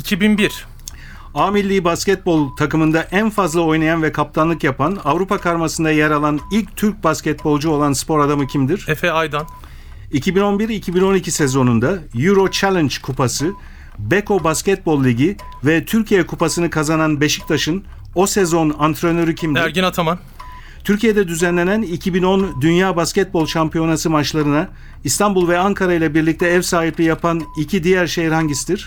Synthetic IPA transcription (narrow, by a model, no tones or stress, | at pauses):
icʰibinbiɾ̥ | aːmilʲːiːbascɛt̪̚bo̞lˠt̪ʰakɯmɯnd̪aʔænfazlˠao̞jnajanvɛkʰap̚t̪ʰanlˠɯkjapʰanavɾupʰakʰaɾmasɯnd̪ajeɾalˠanilʲc̚t̪ʰyɾc̚bascʲɛt̪̚bo̞lˠd͡ʒuo̞lˠanspʰo̞ɾad̪amɯcʰimd̪iɾ̥ɛfɛajd̪an | icʰibino̞nbiɾicʰibino̞nicʰisɛzo̞nund̪ajuɾo̞t͡ʃʰælʲɛnd͡ʒkʰupʰasɯ | bekʰo̞bascɛt̪̚bo̞lˠːʲiɟi | vɛt̪ʰyɾcʰijɛkʰupasɯnɯkʰazananbe̞ʃi̥c̚t̪ʰaʃɯn | o̞sezo̞nant̪ʰɾønøɾycʰimd̪æɾɟinat̪ʰaman | t̪ʰyɾcʰijed̪ɛd̪yzænlʲe̞nænicʰibino̞nd̪ynjaːbascɛt̪̚bo̞lˠʃampʰijo̞nasɯmat͡ʃlˠaɾɯna | ist̪ʰambulˠvɛaŋkʰaɾajlˠabiɾlʲic̚t̪ʰɛɛvsaːɦiplʲijapʰanicʰid̪ijæɾʃejiɾhaɲɟisid̪iɾ̥